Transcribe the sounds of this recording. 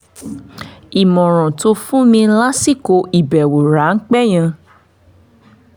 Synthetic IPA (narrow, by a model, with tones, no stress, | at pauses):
i˨mɔ̃˨ɾ̃ɔ̃˨to˧fũ˦mĩ˧la˦si˦˨ko˨˧i˨bɛ˨wo˨ɾa˨˦ŋ̩˦k͡pɛ˦˨j̃ã˧